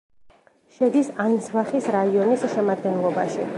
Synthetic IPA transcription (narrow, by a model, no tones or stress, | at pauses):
ʃɛd̪isainsvaχisɾaiɔnisʃɛmad̪ɡɛnlˠɔba̰ʃi